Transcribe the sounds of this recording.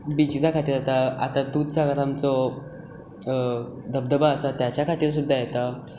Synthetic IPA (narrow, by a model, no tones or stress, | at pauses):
bit͡ɕit͡sakʰat̪iːɾd͡zat̪aa̰t̪at̪ut͡saɡaɾamt͡sɔ | d̪əb̚d̪əbaəsat̪jat͡ɕjakʰat̪iːɾs̬ud̪ʱːajɛt̪a